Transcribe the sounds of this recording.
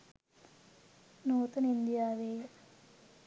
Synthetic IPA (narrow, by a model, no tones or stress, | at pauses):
nuːt̪ɐnind̪ijaːʋeːje